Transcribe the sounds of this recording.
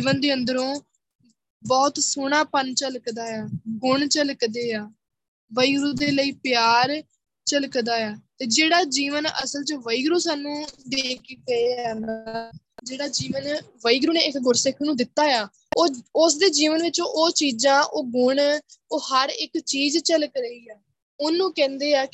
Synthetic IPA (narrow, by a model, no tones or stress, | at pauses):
d͡ʒiːʋənd̪eːənd̪əɾõː | bɔːt̪soːɳaːpənt͡ʃəlkd̪aːjaːɡʊɳt͡ʃəlkd̪eːaː | ʋəiːɡɾuːd̪eːləiːpɪjaːɾ | t͡ʃəlkd̪aːjaːt̪eːd͡ʒeːɽaːd͡ʒiːʋənə̰səlt͡ʃəʋəiːɡɾõːsaːnũːd̪eːkʰɡəeːana | d͡ʒeːɽaːd͡ʒiːʋənʋəiːɡɾũːneːɪkɡʊɾsɪkʰnũːd̪ɪt̪ːaːjaː | oːʊsd̪eːd͡ʒiːʋənʋɪt͡ʃõʔoːt͡ʃiːd͡ʒãːʔoːɡʊɳoːhəɾɪkt͡ʃiːd͡ʒt͡ʃələkɾəiːaː | ʊnːũːkɛ̃ːnd̪eːaːk